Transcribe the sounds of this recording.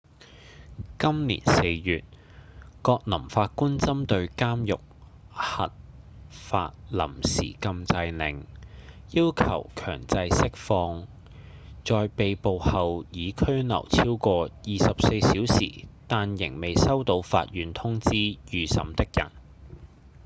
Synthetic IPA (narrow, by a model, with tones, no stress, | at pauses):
kɐ˥mlḭː˨˩nse˧jjyː˨t̚ | kɔː˧k̚lɐ˨˩mfaː˧t̚kuː˥nt͡sɐ˥mt̪ɵ˧ɥkaː˥mjʊ˨k̚ | hɐ̰˨t̚ | fa̰ː˧t̚lɐ̰˨˩msḭː˨˩kɐ˧mt͡sɐ˧jnɪ̰˨˩ŋjiː˥wkʰɐ̰˨˩wkʰœ̰ː˨˩ŋt͡sɐ˧jsɪ˥k̚fɔː˧ŋ | t͡sɔː˨jpe˨jpo˨˧whɐ˨wjiː˨˧kʰɵ˥ɥnɐ̰˨˩wt͡sʰiː˥wkɔː˧jiː˨sɐ˨p̚se˧jsiː˨˥wsḭː˨˩t̪aː˧njɪ̰˨˩ŋme˨jsɐ˥wt̪o˧wfa̰ː˧t̚jyː˨˥nt̪ʰʊ˥ŋt͡siː˥jyː˨sɐ̰˨˧˥mt̪ɪ˥k̚jɐ̰˨˩n